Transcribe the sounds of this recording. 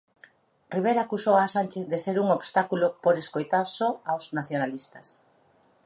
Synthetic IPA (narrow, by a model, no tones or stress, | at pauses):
riβ̞eɾaːkusowasanʲt͡ʃeθðeseɾuŋoβst̪akulopoɾeskojt̪aɾsɔawznaθjonalist̪ɐs